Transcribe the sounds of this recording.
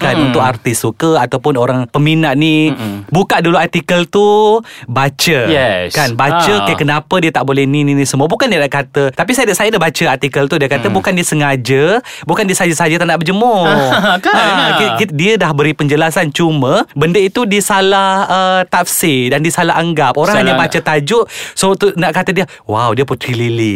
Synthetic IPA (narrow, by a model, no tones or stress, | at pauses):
kanunt̪ʊkart̪isukəat̪awpʊnoɾaŋpəminaʔnibukaʔduluart̪ikəlt̪ubat͡ʃəkanbat͡ʃəkajkənapədiət̪aʔbolɛhnininisəmuəbukandiədaʔkat̪ət̪apisajədaʔsajədabat͡ʃəart̪ikəlt̪udiəkat̪əbukandiəsəŋad͡ʒə | bukandiəsəad͡ʒəsad͡ʒət̪aʔnaʔbəd͡ʒəmʊkakdiədahbəɾipəɲd͡ʒəlasant͡ʃuməbəndəit̪udisalahhət̪afsidandisalaɦaŋɡap̚oɾãŋhaɲabat͡ʃət̪ad͡ʒʊʔsot̪unaʔkat̪ədiə | wawdiəput̪ɾilili